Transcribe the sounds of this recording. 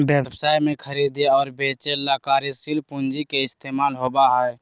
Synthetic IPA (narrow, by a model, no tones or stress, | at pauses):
bebbsaːjmẽkʰəɾiːd̪eɔːɾbeːt͡ʃelaːkaːɾisilpund͡ʒikeɪst̪eːmaːlɦoːbaɦɛ